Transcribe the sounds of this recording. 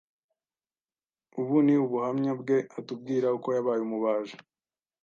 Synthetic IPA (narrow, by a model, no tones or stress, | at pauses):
uβuniuβuhamɲabɡe̞atub̚ɡiːɾauko̞jaβaːjumuβaːʒḁ